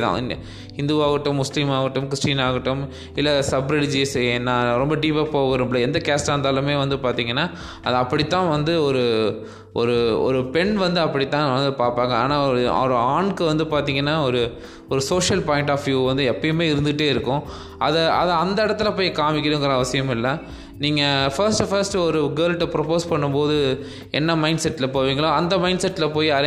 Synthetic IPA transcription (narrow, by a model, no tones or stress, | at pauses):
t̪ã̰ː | hɪnd̪uʋaːɣɐʈːɯ̃mːʊslimaːɣɐʈːɯ̃mkɾɪsʈiːnaːɣɐʈːɯm | ɪlːɐsɐbɾɐɽɪd͡ʒisẽnãːɾɔmbɐɖiːpɐpoːɣɪɾɯmplɐɛnd̪ɐkaːsʈaːnd̪aːlɯ̃meːʋɐnd̪ɯpaːɾt̪iːŋɡɐnːaː | ɐðɐɐpːɐɽɪt̪ːãːʋɐnd̪ɯɔɾɯ | ɔɾɯɔ̰ɾɯpɛɳʋɐnd̪ɯɐpːɐɽɪt̪ːãːʋɐnd̪ɯpaːɾpaːŋɡɐa̰ːnaːɔɾɯɐ̰ɾɯaːɳkɯʋɐnd̪ɯpaːɾt̪̬iːŋɡɐnːaːɔɾɯ | ɔɾɯsoːʂjɐlpaːjɪ̃ɳʈaːfʋjuːʋɐnd̪ɯɛpːɐjmeːɪɾɯnd̪ɯʈːeːɪɾɯkːʊ̃ | ʔɐ̰ðɐʔɐðɐɐnd̪ɐɪɽɐt̪ːɯlɐpoːjikaːmɪkːɪɽɯ̃ŋɡɪɾɐɐʋɐsɪjɐmɪlːɐ | niːŋɡɐfɐɾsʈɯfɐɾsʈɯɔɾɯɡɐːɾlʈːɐpɪɾɐpoːspɐɳːɯmpoːðɯ | ɛ̰nːɐmɐɪ̃ɳɖsɛʈːɪlɐpoːʋiːŋɡɐɭõːɐnd̪ɐmɐɪɳɖsɛʈːɪlɐpoːjɐ